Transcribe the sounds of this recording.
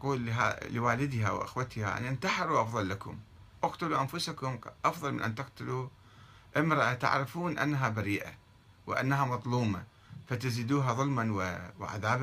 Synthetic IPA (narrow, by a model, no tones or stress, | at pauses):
quːlːɦa̰lɪwaːlɪd̪ɦaw̰ʔɪ̰xwat̪ɪha̰a̰nɪnt̪aħɪɾuʔɑfðˤɑlːakʊ̰m | ʔɑqt̪ʊluʔanfʊsakʊmʔɑfðˤɑlmɪnʔa̰nt̪ɪqt̪ʊlu | ʔɪmɾɑʔat̪a̰ʕɾɪfuːnʔa̰nːaɦabaɾiːʔa | wɪ̰ʔa̰nːaɦamɑðˤluːma | fat̪ɪziːd̪uːɦaðˤʊlmanwɪwɪ̰ʕa̰ðaːba